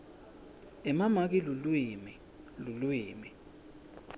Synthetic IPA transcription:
ɛmamak̬ilulwimi | lulwiːmi

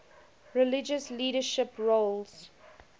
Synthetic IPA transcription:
ɹɪlɪd͡ʒəsliːɾəʃɪpɹolz̥

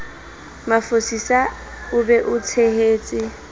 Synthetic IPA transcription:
mafosisa | ʊbɛʔʊt͡sʰeheːt͡sʼɪ

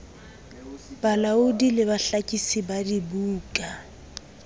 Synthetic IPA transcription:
b̥alaʊdilɪβaɬakʼisibadibuːkʼa

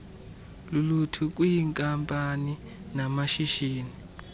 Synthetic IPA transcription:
lulutʰuk̬ʼwujiŋkʼampʼani | namaʃiʃiːni

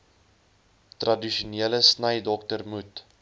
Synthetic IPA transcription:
trɐdiʃuniələsnəjdɔktərmut

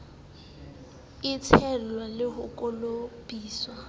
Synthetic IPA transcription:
ɪt͡sʰɛlwalɪɦʊkʼolopʼiːswa

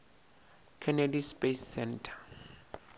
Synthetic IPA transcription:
kʰɛnɛdispesːɛntʰḁ

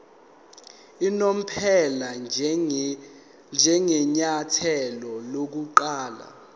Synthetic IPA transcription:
inom̩pʰɛla | nd͡ʒʱɛŋɛɲatʰɛlɔlok̬uǃaːla̰

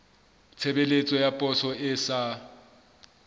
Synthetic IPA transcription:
t͡sʰebelet͡sʼɔjapʼɔsɔɪsa

